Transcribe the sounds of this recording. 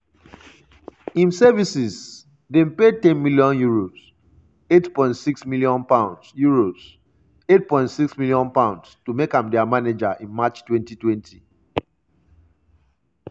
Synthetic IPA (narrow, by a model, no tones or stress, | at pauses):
ĩnsɛvisiz | dẽmpetɛ̃nmiljɔ̃njuɹoz̥ | etpɔ̃ɪ̃ntsiksmiljɔ̃npãʊ̃ndsjuɹoz̥ | et̚pɔ̃ɪ̃ntsiksmiljɔ̃npãʊ̃ndstumekãmdɛamaned͡ʒaʔĩnmat͡ʃtwɛ̃ntitwɛ̃ntʰi